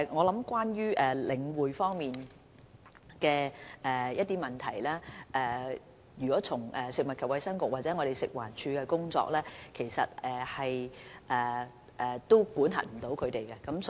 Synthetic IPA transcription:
ŋɔː˨˧lɐ˨˥mkwaː˥njyː˥ʔɛː˨lɪ˨˧ŋwuː˨jfɔː˥ŋmiː˨n | kɛː˧ʔɛː˨jɐ˥t̚t̪iː˥mɐ˨˩nt̪ʰɐ˨˩jlɛː˥ʔɛː˨˩ | jyː˨˩kɔː˨˥t͡sʰʊ˨˩ŋɛː˨˩sɪ˨k̚mɐ˨t̚kʰɐ˨p̚wɐ˨˥jsɐ˥ŋkʊ˨k̚waː˨t̚t͡sɛː˨˥ŋɔ˨˧ɾe˨jsɪ˨k̚wa̰ː˨˩nt͡ʃʰyː˧kɛː˧kʊ˥ŋt͡sɔ̰ː˧k̚lɛː˥kʰe˨˩jsɐ˨t̚ɛː˨˩hɐ˨jʔɛː˨˩ | ʔɛː˨˩t̪o˥wkuː˨˥nhɐ̰˨˩m̩˨˩t̪o˨˥wkʰɵ˨˧t̪e˨jkɛ˧kɐ˨˥ms

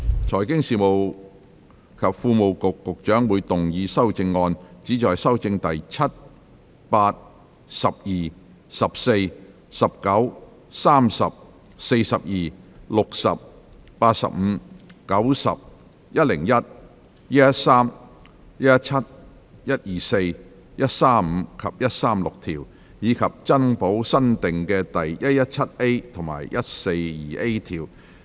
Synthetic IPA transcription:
t͡sʰɔː˨˩jkɪ˥ŋsiː˨mo˨w | kʰɐ˨p̚fuː˧mo˨wkʊ˨kːʊ˨k̚t͡ʃœː˨˥ŋwuː˨˧jt̪ʊ˨ŋjiː˨˧sɐ˥wt͡sɪ˧ŋːɔː˧nt͡siː˨˥t͡sɔː˨jsɐ˥wt͡sɪ˧ŋt̪ɐ˨jt͡sʰɐ˥t̚ | paː˧t̚ | sɐ˨p̚jiː˨˩ | sɐ˨p̚se˧j | sɐ˨p̚kɐ˨˥w | saː˥msɐ̰˨p̚ | se˧jsɐ˨p̚jiː˨lʊ˨k̚sɐ̰˨p̚ː | aː˧t̚sɐ̰˨p̚m̩˨˧kɐ˨˥wsɐ̰˨p̚ | jɐ˥t̚lɪ˨˩ŋjɐ˥t̚ | jɐ˥ɐ˥t̚saː˥m | jɐ˥ɐ˥t̚t͡sʰɐ˥t̚ | jɐ˥t̚jiː˨se˧j | jɐ˥t̚saː˥mm̩˨˧kʰɐ˨p̚jɐ˥t̚saː˥mlʊ˨k̚t̪ʰiː˨˩w | jiː˨˧kʰɐ˨p̚t͡sɐ˥npo˨˥wsɐ˥nt̪ɪ˨ŋkɛː˧t̪ɐ˨jjɐ˥t̚jɐ˥t̚t͡sʰɐ˥t̚e˥jt̪ʰʊ˨˩ŋma̰ː˨˩jjɐ˥t̚se˧jjiː˨˩ʔe˥jt̪ʰiː˨˩w

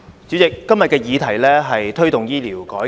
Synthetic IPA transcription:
t͡siː˨˥t͡sɪ˨kːɐ˥mjɐ˨t̚kɛː˧jiː˨˧t̪ʰɐ˨˩jlɛː˥ɦɐ˨jt̪ʰɵ˥ɥt̪ʊ˨ŋjiː˥liː˨˩wkɔː˨˥

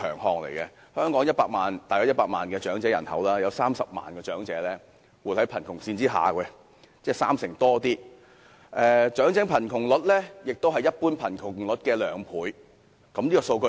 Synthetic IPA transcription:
œ̰ː˨˩ŋɦɔː˧ŋlḛ˨˩jkɛ˧ | hœː˥ŋkɔː˨˥ŋjɐ˥t̚paː˧k̚maː˨˩nt̪aː˨jɐ˧˥wjɐ˥t̚paː˧t̚ma̰ː˨˩nkɛː˧t͡ʃœː˨˥ŋt͡sɛː˨˥jɐ˨˩nhɐ̰˨˥wlaː˥jɐ˨˧wsaː˥msɐ˨p̚ma̰ː˨nkɛː˧t͡ʃœː˨˥ŋt͡sɛː˨˥lɛː˥ | wu˨thɐ˨˥jpʰɐ˨˩nkʰʊ˨˩ŋsiː˧nt͡siː˥ɦa̰ː˨˩kɛ˧ | t͡sɛː˥˩saː˥msɪ˨˩ŋt̪ɔː˥t̪iː˥ | ʔɛː˨t͡ʃœː˨˥ŋt͡sɪ˨˥ŋpʰɐ˨˩nkʰʊ˨˩ŋlʊ˨˥t̚lɛ˥jɪ˨k̚t̪o˥wɦɐ˨jːɐ˥t̚puː˥npʰɐ˨˩nkʰʊ˨˩ŋlʊ˨˥t̚kɛː˧lœː˨˥ŋpʰuː˨˥j | kɐ˧˥mniː˥kɔ˧so˧wkɵ˧˥

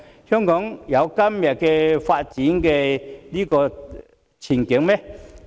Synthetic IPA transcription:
hœː˥ŋkɔː˨˥ŋjɐ˨˧wkɐ˥mjɐ˨t̚kɛ˧faː˧t̚t͡ɕiː˨˥nkɛ˧liː˥kɔː˧ | t͡ɕʰiː˨˩nkɪ˨˥ŋmɛ˥

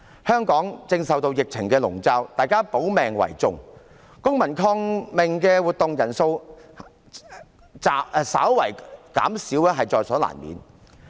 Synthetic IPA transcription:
hœː˥ŋkɔː˨˥ŋt͡sɪ˧ŋsɐ˨wt̪o˧wjɪ˨k̚t͡sʰɪ˨˩ŋkɛː˧lʊ˨˩ŋt͡saː˧wt̪aː˨jkaː˥po˨˥wmɛː˨˩ŋwɐ̰˨˩jt͡sʊ˨ŋ | kʊ˥ŋmɐ˨˩nkʰɔː˧ŋmɪ˨ŋkɛː˧wuː˨t̪̚ʊ˨˧ŋjɐ˨˩nso˧w | t͡saː˨˧sa̰ː˨˥wwɐ̰˨˩jka̰ː˨˥msiː˨˥wɛ˥ɦɐ˨jt͡sɔː˨jsɔː˨˥la̰ː˨˩nmḭː˨˥n

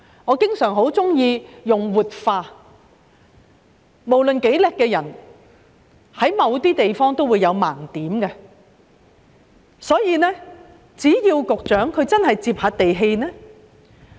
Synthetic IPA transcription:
ŋɔː˨˧kɪ˥ŋsœː˨˩ŋɦo˨˥wt͡sʊ˥ŋjiː˧jʊ˨ŋwuː˨t̚faː˧ | mo˨˩wlɵ˨nke˨˥jlɛ˨˧kːɛː˧jɐ˨˩n | hɐ˨˥jmɐ˨˧wt̪iː˥t̪e˨jfɔː˥ŋt̪o˥wu˨˧jɐ˨˧wmaː˨˩ŋt̪iː˨˥mkɛ˧ | sɔː˨˥jiː˨˧nɛː˥ | t͡siː˨˥jiː˧wkʊ˨k̚t͡ʃœː˨˥ŋkʰɵ˨˧ɥt͡sɐ˥nhɐ˨jt͡siː˧p̚haː˧˥t̚t̪e˨jɦe˧jnɛː˥

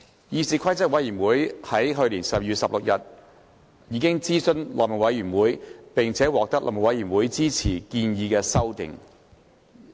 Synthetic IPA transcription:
jiː˧siː˨˧kʰɐ˥jt͡sɐ˥k̚wɐ˨˥jyː˨˩nwuː˨˥jhɐ˨˥jɦɵ˧ɥliː˨˩nsɐ˨p̚jyː˨tsɐ˨p̚lʊ˨k̚jɐ˨t̚ | jiː˨˧˥kɪ˥ŋt͡siː˥sɵ˥nlɔ̰ː˨p̚m̚˨˩wɐ˨˥jyː˨˩nwuː˨˥jpɪ˨ŋt͡sʰɛː˨˥wɔː˨k̚t̪ɐ˥k̚lɔ̰˨˩mɐ˨˩wɐ˨˥jyː˨˩nwuː˨˥jt͡siː˥t͡sʰiː˨˩kiː˧njiː˧kɛː˧sɐ˥wt̪ɪ̰˨ŋ

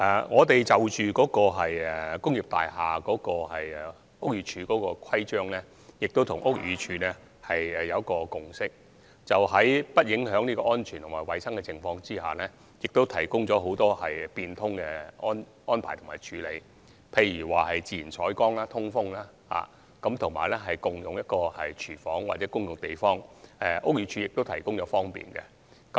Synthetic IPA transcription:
ʔɛ˨˧ŋɔː˨˧t̪e˨jt͡sɐ˨wt͡ʃyː˨kɔː˨˥kɔː˧ɦɐ˨jɛ˨kʊ˥ŋjiː˨˩p̚t̪a̰ː˨jɦaː˨˩kɔː˨˥kɔː˧hɐ˨jɛ˨ | ʊ˥k̚jyː˨˧t͡ʃʰyː˨˧kɔː˨˥kɔː˧kʰɐ˥jt͡ʃœː˥ŋlɛː˥ | jɪ˨k̚t̪o˥wt̪ʰʊ˨˩ŋʔʊ˥k̚jyː˨˧t͡ʃʰyː˨˧nɛ˥ | hɐ˨jɛ˨jɐ˨˧wkɔː˧kʊ˨˩ŋsɪ˥k̚ | t͡sɐ˨wɦɐ˨˥jpɐ˥t̚jɪ˨˥ŋɦœː˨˥ŋnliː˥kɔː˧ʔɔː˥nt͡ʃʰyː˨˩nt̪ʰmaː˨˩jwɐ˨jsɐ˥ŋkɛ˧t͡sɪ˨ŋfɔː˧ŋt͡siː˥ha̰ː˨˩nɛː˥ | jɪ˨k̚t̪o˥wt̪ʰɐ˨˩jkʊ˥ŋt͡ʃɔː˨˥ɦo˨˥wt̪ɔː˥hɐ˨jpiː˧nt̪ʰʊ˥ŋkɛ˧ɔː˥n | ɔː˥npʰaː˨˩jt̪ʰmaː˨˩jt͡ʃʰyː˨˥le˨˧j | pʰe˧jɥyː˨˩waː˨hɐ˨jt͡siː˧jiː˨˩nt͡sʰɔː˨˥jkɔː˥ŋlaː˥t̪ʰʊ˥ŋfʊ˥ŋlaː˥ | ha̰ː˨ | kɐ˨˥mt̪ʰʊ˨˩ŋma̰ː˨˩jlɛ˥ɦɐ˨jkʊ˨ŋjʊ˨ŋjɐ˥t̚kɔː˧hɐ̰˨jt͡ʃʰyː˨˩fɔ̰ː˨˥ŋwa̰ː˨ɛː˨˥kʊ˥ŋjʊ˨˩ŋt̪e˨jfɔː˥ŋɛ˧ʔʊ˥k̚jyː˨˧t͡ʃʰyː˨˧jɪ˨k̚t̪o˥wt̪ʰɐ˨˩jkʊ˥ŋt͡ʃɔː˨˧fɔː˥ŋpḭː˨nkɛ̰˧ | kɐ˨˦

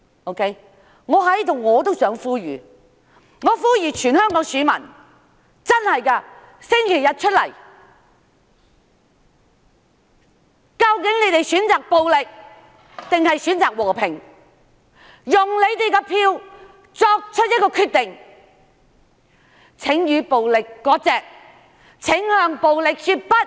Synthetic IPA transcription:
o˥wkʰe˥j | ŋɔː˨˧ɦɐ˨˥jt̪ʊ˨˩wŋŋɔː˨˧t̪o˥wsœː˨˥ŋfuː˥ɥyː˨ | ŋɔː˨˧fuː˥jyː˨˩t͡ʃʰyː˨˩nhœː˥ŋkɔː˨˥ŋsyː˨˥mɐ˨˩n | t͡sɐ˥nhɐ˨jkɐ˧ | sɪ˥ŋkʰe˨˩jɐ˧t̚t͡ʃʰɵ˥t̚lɐ̰˨˩j | kɐ˧wkɪ˨˥ŋne˨˧jt̪e˨jsyː˨˥nt͡saː˨k̚po˧wlɪ˨k̚ | t̪ɪ˨ŋhɐ˨jsyː˨˥nt͡saː˨k̚wɔː˨˩pʰɪ˨˩ŋ | jʊ˨˩ŋle˨˧jt̪e˨jkɐː˧pʰiː˧w | t͡sɔː˧k̚t͡ʃʰɵ˥t̚jɐ˥t̚kɔː˧kʰyː˧t̪ɪ˨ŋ | t͡sʰɪ˨˥ŋjyː˨˧po˨wlɪ˨kːɔː˨˥t͡sɛː˨k̚ | t͡sʰɪ˨˥ŋhœː˧ŋpo˨wlɪ˨k̚syː˧t̚pɐ˥t̚

